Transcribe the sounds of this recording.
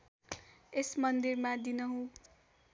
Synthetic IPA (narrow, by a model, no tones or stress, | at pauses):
esmʌnd̪irmad̪inʌɦũ